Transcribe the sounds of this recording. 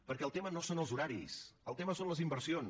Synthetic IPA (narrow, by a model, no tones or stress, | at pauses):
pəɾkɛəlˠt̪emənosonəlˠzuɾaɾḭsəlˠt̪eməsonləzimbəɾsion